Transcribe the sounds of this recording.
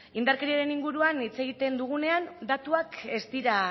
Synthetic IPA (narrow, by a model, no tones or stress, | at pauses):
ind̪aɾkaɾiaɾe̞niŋɡuɾuanit͡se̞ɣ̞it̪e̞nd̪uɣ̞une̞and̪at̪uake̞st̪iɾa